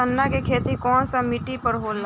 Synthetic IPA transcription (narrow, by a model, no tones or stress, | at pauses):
ənːakekʰeːt̪ikɔːnsamiʈipəɾɦoːla